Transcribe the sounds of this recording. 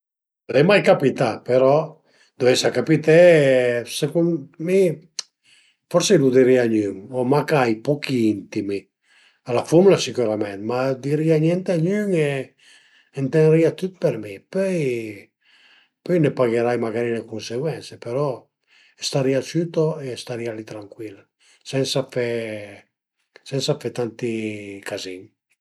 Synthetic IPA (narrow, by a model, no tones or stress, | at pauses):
lɛmajkapit̪apeɾɔ | d̪̥ovɛsakapit̪e | sekunmi | fɔɾselud̪iɾiaɲyŋomakajpɔkiint̪imi | alafumulasikuɾamɛnt̪mad̪iɾiaɲjɛnt̪eaɲyŋeː | nt̪enɾiat̪ut̪̚peɾmipøj | pøjnepaɣeɾajmaɡaɾinekunseɡwɛnsepeɾɔ | est̪aɾiat͡ʃyt̪oest̪aɾialit̪ɾaŋkwila | sɛnsafɛ | sɛnsafɛt̪ant̪ikaziŋ